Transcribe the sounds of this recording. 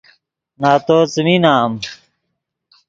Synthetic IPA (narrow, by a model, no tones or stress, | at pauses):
naːt̪oːt͡sminaːm